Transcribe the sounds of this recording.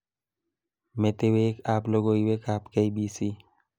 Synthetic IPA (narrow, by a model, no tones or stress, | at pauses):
met̪eweːkaːploɡoiweːkaːpkeibiːsi